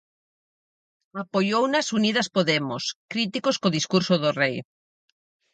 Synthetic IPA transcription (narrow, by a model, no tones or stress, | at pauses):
apojownɐsunið̞ɐspoðemoskɾit̪ikoskoðiskuɾsoðorej